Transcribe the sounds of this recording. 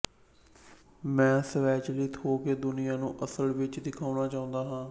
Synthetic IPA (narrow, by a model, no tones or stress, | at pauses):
mɛ̃ːsəʋɛːt͡ʃliːt̪ʰoːkeːd̪ʊnɪjãːnũːʔəsəlʋɪt͡ʃd̪ɪkʰaːnaːt͡ʃaːʊ̃nd̪aːɦãː